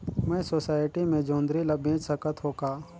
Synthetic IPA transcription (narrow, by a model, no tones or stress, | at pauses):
mɛ̃ːsoːsaːɪʈimẽd͡ʒõːnd̪ɾilabẽːd͡ʒsəkət̪ɦoːkaː